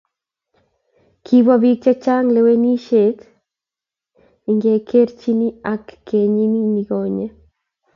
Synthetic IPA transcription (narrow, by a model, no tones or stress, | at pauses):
kʰiβwaβik̚t͡ʃat͡ʃaŋleweniʃet̪ | iŋɡekʰeɾt͡ʃiniakːeɲiminiɡoɲe